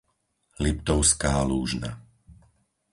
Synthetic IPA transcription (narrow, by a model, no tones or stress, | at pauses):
lipt̪ɔʊskaːluːʒna̰